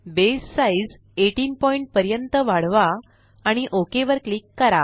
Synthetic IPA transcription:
besːaid͡z | eʈiːnpɔiɳʈ̚pəɾjənt̪əʋaɽʋaː | ɽ̃iʔokeʋəɾkliːkːəɾa

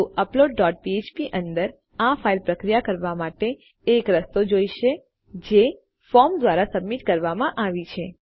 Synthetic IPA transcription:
əploɖ̚ːɔʈ̚piet͡ʃpiʔənd̪əɾ | afailpɾəkɾijakəɾʋamaʈeː | kɾəst̪od͡ʒoiʃe | d͡ʒe | fɔmd̪ʋaɾasəbmiʈkəɾʋamãʔaʋit͡ʃʰe

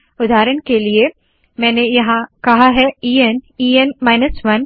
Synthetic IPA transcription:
ʊd̪ʱaːɾənkelie | mɛ̃ːnejɐɦãkɐɦaɦɛːiːeniːenmaːɪnəsʋɐn

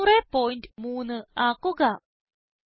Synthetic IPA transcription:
uɾepoːjnʈmuːnɨaːkuɡɐ

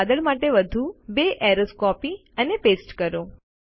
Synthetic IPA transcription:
d̪əɭmaʈeʋəd̪ʱubeʔɛɾoskɔpi | ənepesʈkəɾo

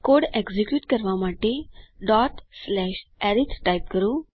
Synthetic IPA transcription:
koːɽeɡzikjuːʈkəɾʋamaːʈeɖɔːʈslɛːʃɛɾit̪ʰʈaːjp̚kəɾo

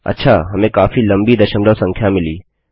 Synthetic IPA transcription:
ɐ̰tːʃʰa̰ɦɐmẽkaːfilɐ̃mbid̪ɐʃəmləʋsɐ̃ŋkʰjamɪliː

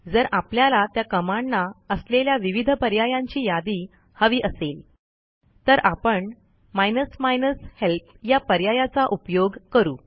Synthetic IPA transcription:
d͡zəɾapljalat̪jakəmaɳːaəsleljaʋiʋid̪ʱəpəɾjajãɲt͡ɕiːjad̪iː | həʋiːʔəsel | t̪əɾapəɳ | majnəsmajnəshelpʰ | japəɾjajat͡saʔupjoɡkəɾṵː

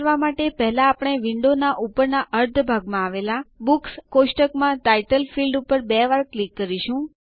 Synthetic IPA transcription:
ɾʋamaʈepɛɦlaːpəɽ̃eʋɪɳɖonaʔupəɾnaʔəɾt̪ʰbʱaɡmãaʋelabukskoʃʈəkmãʈaiʈəlfilɖupəɾbɛʋaɾklikːəɾiʃũ

